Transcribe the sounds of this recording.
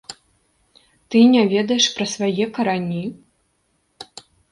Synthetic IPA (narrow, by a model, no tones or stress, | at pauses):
t̪ɨnʲavʲɛd̪ɐjɛʂpɾɐsvajɛkɐɾanʲi